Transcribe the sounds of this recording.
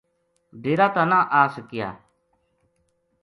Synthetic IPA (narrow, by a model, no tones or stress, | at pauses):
deːɾaːt̪aːnãːʔaːsəkɪja̰ː